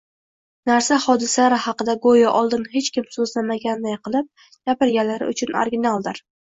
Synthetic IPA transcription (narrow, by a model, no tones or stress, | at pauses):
naɾsahɒd̪ɪsalaɾɪhɑqɨd̪aɡojaʔɒlˠd̪ɪnhe̞t͡ʃkʲʰɪmsozlamaɡʲand̪ajqʰɨlˠɪp̚ | ɡ̥ʲapɪɾɡʲalaɾɪ̰ʊt͡ʃʰʊno̰ɾɡʲɪnalˠd̪ɪɾ